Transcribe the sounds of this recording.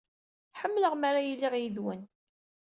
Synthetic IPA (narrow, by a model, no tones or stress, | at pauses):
ħəmːləʁmaɾajəlːiʁjiðwən